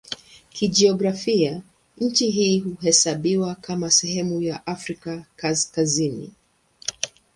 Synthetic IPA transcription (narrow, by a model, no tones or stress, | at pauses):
kid͡ʒiɔɡɾafia | ɲ̩t͡ʃiɦiːhuɦɛsaɓiwakamasɛɦɛmujaʔafɾikakaskazinḭ